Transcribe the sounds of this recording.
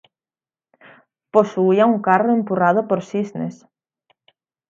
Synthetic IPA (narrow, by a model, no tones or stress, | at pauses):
posuiauŋkaroempurað̞ʊpoɾsiznḛs